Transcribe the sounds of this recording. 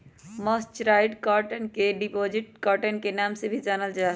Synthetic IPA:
məst͡ʃɾaːɪɖkaːɾʈənkeɖipoːd͡ʒɪʈ̚kaːɾʈənkenaːmsebʱid͡ʒaːnəld͡ʒaː

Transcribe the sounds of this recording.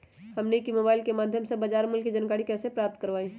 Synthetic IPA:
həmnekimobailkemad̪ʱjəmsebəd͡ʒaɾmulkid͡ʒənkaɾikɛːsepɾap̚t̪kəɾʋaĩ

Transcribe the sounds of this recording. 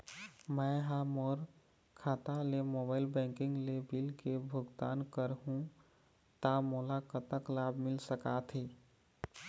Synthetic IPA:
məɦamɔːɾ | kʰaːt̪alemobaːɪlbɛ̃ŋkɪ̃ŋɡlebilkebʱʊɡt̪aːnkəɾɦũ | t̪amolakət̪əklabʱmɪlsəkat̪ʰɦe

